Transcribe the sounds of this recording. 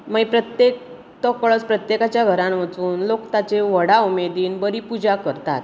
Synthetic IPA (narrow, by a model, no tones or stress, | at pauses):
məipɾət̪jek | t̪əkɭət͡spɾət̪jekat͡ɕjaɡʱəɾãmʋət͡suːnlokt̪at͡ɕeʋəɽaumed̪iːnbəɾipud͡ʑakəɾt̪a̰t̪